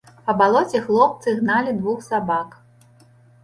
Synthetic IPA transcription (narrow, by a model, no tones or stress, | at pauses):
pɐbalˠɔt͡sʲɛxlˠɔp̚t̪sɨɣnalʲid̪vuxsabak